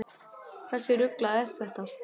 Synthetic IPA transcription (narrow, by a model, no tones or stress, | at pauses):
kʰḁsɪɾʏklaðɛθθɛht̪a